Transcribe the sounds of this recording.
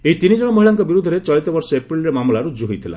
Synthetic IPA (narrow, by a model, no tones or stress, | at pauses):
eit̪inid͡ʒɔɽɔmoɦiɭaŋkɔbiɾud̪ʱːɔɾet͡ʃɔjt̪ɔbɔɾsɔepɾilɾemamlaɾud͡ʒuɦijt̪ʰila̰